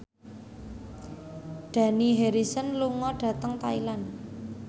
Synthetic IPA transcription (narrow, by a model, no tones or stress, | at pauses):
ɖ̥ä̤niɦeɾisənluŋɔɖ̥ä̤t̪əŋt̪ailan